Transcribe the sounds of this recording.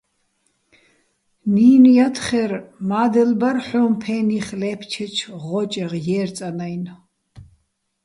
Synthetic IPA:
niːnujat̪ʰχɛrmaːd̪ɛlbarħumpʰɛniχlɛpʰt͡ʃʰɛt͡ʃʰʁɔt͡ʃʼɛʁjɛːrt͡sʼanajn

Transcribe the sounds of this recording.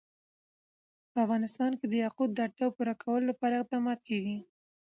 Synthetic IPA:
pəafɣɑnɪst̪ɑnked̪əjɑqud̪̚ːəaɽt̪jɑwpuɾakʰawəlolapɑɾaɪq̚d̪ɑmɑt̪̚keɡi

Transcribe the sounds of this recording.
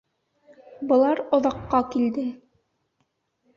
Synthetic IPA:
bɤ̆lˠɑɾŏðɑqːɑkild̪ɘ

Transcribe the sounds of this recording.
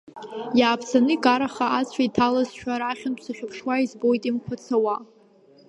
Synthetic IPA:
jaːpʰt͡sʰanɨɡaɾaχaat͡sʷʰaitʰalazʃʰʷᶣaɾaχʲʊnʰsaχʲɪpʰʂwaizbo̞jtʼimkʷʰat͡sʰawa

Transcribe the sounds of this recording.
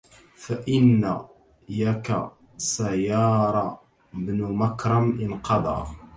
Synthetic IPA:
faʔɪnːa | jaka̰ | sajɑːɾˤɑ | bnʊmakɾˤamʔɪnqɑd̪ˤɑ̰ː

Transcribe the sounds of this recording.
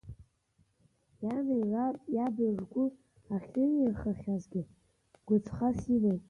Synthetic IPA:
janejrʷapʼjabɨʐɡʷʊ | aχʲɨɪrχaχʲazɡʲɪ | ɡ̥ʷʊt͡sʰχasilejtʼ

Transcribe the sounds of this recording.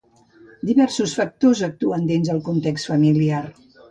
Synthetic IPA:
d̪iβɛɾsusfək̚t̪ozək̚t̪uənd̪inzðəlˠkunt̪ekst̪fəmiliar

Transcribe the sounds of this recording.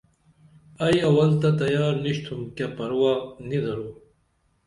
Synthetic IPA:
ɐjɐwɐlt̪ɐt̪ɐjaːɾniɕt̪ʰumkapɐɾwaːnid̪ɐɾoː

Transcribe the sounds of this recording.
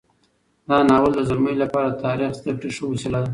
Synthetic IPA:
d̪ɑnɑwəld̪əzalməilapɑɾat̪ɑɾixst̪əʈiʂəwusilad̪a

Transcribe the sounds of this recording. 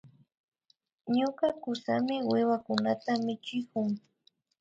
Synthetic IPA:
ɲokakʊsa̰mɪwɪwakʊnat̪amɪt͡ʃɪkʊŋ

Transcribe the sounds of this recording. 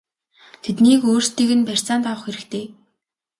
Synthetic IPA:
t̪ʰet̪niːkoːrst̪iːɣɘ̆npær̥ʲt͡saːnt̪awə̆χxeɾɘ̆kt̪ʰeː

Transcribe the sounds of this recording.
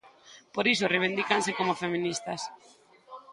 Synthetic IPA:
poɾisoreβ̞ind̪ikansekomofemĩnist̪as

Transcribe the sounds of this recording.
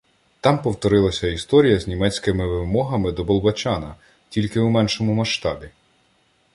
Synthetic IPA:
t̪ɑmpɔwt̪ɔɾɪlˠɐsʲɐist̪ɔɾʲijɐzʲnʲimɛt͡sʲkɪmɪʋɪwmɔɦɐmɪd̪ɔbɔlˠbɐt͡ʃɑnɐ | tʲilʲkɪwmɛnʃɔmʊmɐʃt̪ɑbʲi

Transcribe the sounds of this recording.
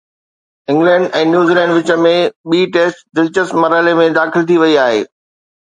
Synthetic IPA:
ɪ̃ŋɡlɛ̃ːɳɖɛ̃ːnjuːziːlɛ̃ːɳɖʋɪt͡ɕə̆mẽɓiːʈeːsʈd̪ɪlt͡ɕəsmɐɾəlemẽd̪aːxɪlt̪ʰiʋɐiaːɦḛː

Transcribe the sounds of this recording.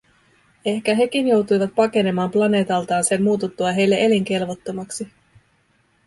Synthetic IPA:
e̞hk̟æɦe̞k̟injo̞wt̪ujʋɑt̪̚pɑke̞ne̞mɑːmplɑne̞ːt̪ɑlt̪ɑːnse̞mːuːt̪ut̪ːuɑɦe̞jlːe̞ʔeliŋk̟e̞lʋo̞t̪ːomɑksi

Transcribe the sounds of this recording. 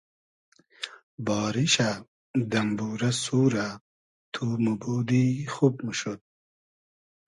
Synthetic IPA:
bɑːɾiɕa | d̪ɐmbuːɾɐsuːɾa | t̪ʰumubuːd̪ixub̚muʃod̪̚

